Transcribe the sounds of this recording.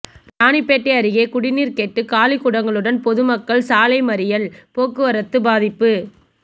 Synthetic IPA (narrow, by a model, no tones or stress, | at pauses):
ɾaːɳɪpːeːʈːɐɐɾɯɣeːkʊɽɪniːɾkeːʈːɯkaːlɪkʊɽɐŋɡɐɭɯɽɐnpɔðɯmɐkːɐɭsaːlɐɪmɐɾɪjɐlpoːkːɯʋɐɾɐt̪ːɯbaːðɪpːɯ